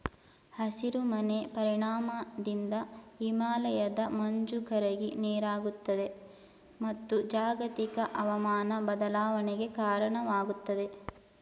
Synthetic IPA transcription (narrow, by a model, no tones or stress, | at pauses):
hɐsiɾumɐne̞pɐɾiɳaːmɐd̪ind̪ɐimaːlɐjɐd̪ɐmɐɲd͡ʒukɐɾɐɡineːɾaːɡut̪ːɐd̪e̞ | mɐt̪ːud͡ʒaːɡɐt̪ikɐʔɐʋɐmaːnɐbɐd̪ɐlaːʋɐneɡe̞kaːɾɐɳɐʋaːɡut̪ːɐd̪e̞